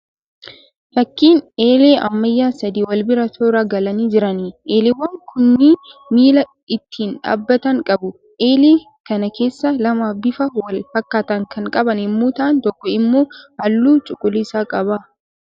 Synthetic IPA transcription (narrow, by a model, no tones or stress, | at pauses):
fɐkːiːneːle̞ːʔɐ̰mːɐjːaːsɐd̪iːwɐlbɪɾɐt̪ʰoːɾaɡɐlɐniːd͡ʒɪɾɐniʔeːleːwɐŋkʰʊnːɪmiːlɐ | ɪt̪ːiːnᶑa̰ːbːɐt̪ɐŋkʼɐbʊ | ʔeːleː | kɐnɐke̞ːsːɐlɐmaːfbɪfɐwɐlfɐkːaːt̪ɐŋkʰɐŋkʼɐbɐnɪmːuːt̪aːnt̪ɔkːɔɪmːoːhɐlːuːt͡ʃʼʊkʼʊlɪsaːkʼɐbaː